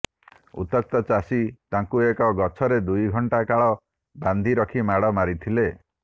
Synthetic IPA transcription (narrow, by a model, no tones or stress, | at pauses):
ṵt̪ɔk̚t̪ɔt͡ʃasit̪aŋkuekɔɡɔt͡ʃʰɔɾed̪ujɡʱɔɳʈakaɭɔ | band̪ʱiɾɔkʰimaɽɔmaɾit̪ʰile